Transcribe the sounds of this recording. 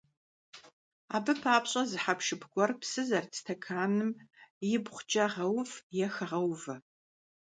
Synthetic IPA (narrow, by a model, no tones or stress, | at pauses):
aːbɨpʰaːpɕʼɐzɨħapʃɨpɡʷɔrpsɨzɐrt͡sʰtʰɐkʰaːnɨmjɪbχʷd͡ʒʼɐʁɐwfjɛxɐʁɐwvɐ